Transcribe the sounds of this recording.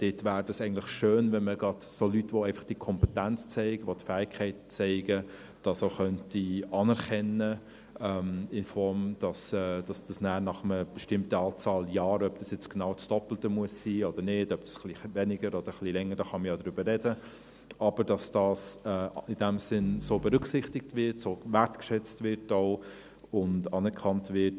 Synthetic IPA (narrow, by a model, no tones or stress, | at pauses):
d̥ɪtvæːɾdɑsɛɪɡn̩tlɪχʃøːnvɛnməɡɾɑd̥solytʋoɛɪfɑ̥χd̥iəkʰɔmpɛtænt͡st͡sɛɪɡ̥əʋotfæːɪkʰɛɪtt͡sɛɪɡə | d̥ɑsoʊχœntiɑnɛɾkɛnə | ɛmɪnfɔɾmd̥ɑsɛːd̥ɑsd̥ɑsnæːɾnɑχəməb̥ɛʃtɪmtəɑːt͡sɑːljɑːɾœb̚d̥ɑsjɛt͡sɡ̥enɑʊt͡sd̥ɔpl̩təmuəsːiːɔd̥əɾnɪdœb̥d̥ɑ̥sχlivɛnɪɡəɾɔd̥əɾχlilɛŋːəɾdɑχɑməjɑdɾʏb̥əːɛdə | ʔɑb̥əɾd̥ɑsd̥ɑːsɛːɪd̥æmsɪnsoːbɛɾʏksɪχtɪk̚tvɪɾtsoːvæɾtkʃɛt͡stvɪɾtoʊ | ʊndɑnɛɾkʰɑntvɪt